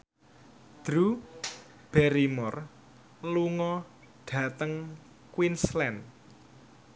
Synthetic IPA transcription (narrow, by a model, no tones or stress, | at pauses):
d̪̥ɾu | b̥ɛɾimɔr | luŋɔ | ɖ̥ä̤t̪əŋ | kwinslɛn